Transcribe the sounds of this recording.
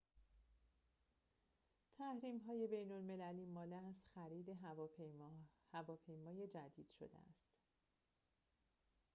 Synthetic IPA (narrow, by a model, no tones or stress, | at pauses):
t̪ʰæhɾiːmɦɒːje̞be̞jno̞lme̞læliːmɒːleæst̪xæɾiːd̪e̞ | hævɒːpʰe̞jmɒːje̞d͡ʒæd̪iːd̪̥ʃo̞̰d̪ḛæ̰st̪